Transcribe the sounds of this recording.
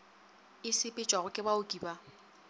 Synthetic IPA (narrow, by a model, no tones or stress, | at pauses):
ɪsɪpʼɪt͡ʃʼaɣʊkʼɪbaʊkʼiːba